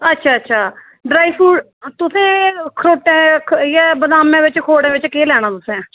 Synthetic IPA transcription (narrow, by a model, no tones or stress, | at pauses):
ətːʃʰaːətːʃʰaː | ɖɾaːifʰuːɖ | t̪ʊsẽːkʰɾoːʈẽjabəd̪aːmẽːʋɪt͡ʃkʰoːɽẽːʋɪt͡ʃkeːlɛːñãːt̪ʊsẽː